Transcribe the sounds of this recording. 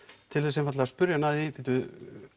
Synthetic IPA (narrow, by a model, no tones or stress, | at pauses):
t̪ʰɪlθɛs̬ɛmfat̪laðaspʏɾjanaːðipit̪ʏ